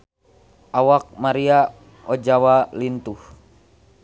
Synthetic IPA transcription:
ʔawak̚maɾia | ɔd͡ʒawalint̪uh

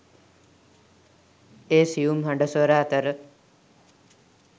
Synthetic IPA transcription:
eːsiumɦɐɳɖəsʋəɾaːt̪əɾə

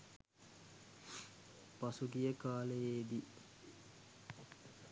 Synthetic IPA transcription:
pasuɡijəkaːlejeːd̪i

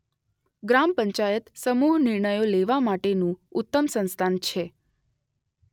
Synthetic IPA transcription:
ɡɾampəɲt͡ʃajət̪səmuɦnɪɾɳəjoleʋamaʈenũʊt̪ːəmsə̃nst̪ʰant͡ʃʰe

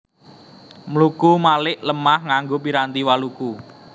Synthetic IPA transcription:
mlukumalɪʔləmahŋaŋɡopiɾant̪iwaluku

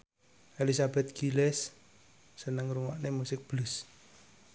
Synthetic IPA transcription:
ʔelisabɛt̪̚ɡ̥ilɛsː | ənəŋɾuŋwaʔnemusɪk̚b̥lʊs

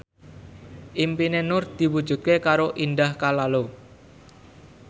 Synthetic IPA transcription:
ʔimpinenʊrd̪̥i̤wud̥ʒ̥ṳt̪̚kekaɾoʔind̪ahkalalo

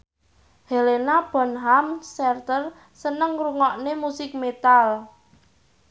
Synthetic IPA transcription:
helenab̥ɔ̤nɦamsɛrt̪ər | sənəŋruŋɔʔnemusɪk̚met̪al

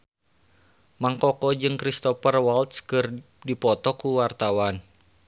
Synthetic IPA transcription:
maŋkɔkɔd͡ʒɨŋkɾist̪ɔpərwalt̪skɨr | dipɔt̪ɔkuwart̪awan

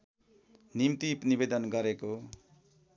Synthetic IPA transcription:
nimt̪ipnibed̪ʌnɡʌɾeko

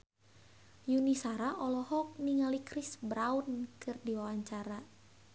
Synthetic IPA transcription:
junisaɾaʔɔlɔhɔk̚niŋalikrisbɾaunkɨrdiwawaɲt͡ʃaɾa

